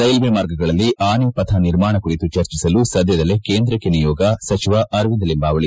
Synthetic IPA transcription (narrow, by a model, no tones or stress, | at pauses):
sɐjlʋemaːɾɡɐɡɐɭɐlːiʔaːnepɐt̪ʰɐniɾmaːɳɐkuɽit̪ut͡ʃɐɾt͡ʃisɐlusɐd̪jɐd̪ɐlːekeːnd̪ɾɐkːenijɔːɡɐsɐt͡ʃiʋɐʔɐɾʋind̪ɐlimbaːʋɐɭi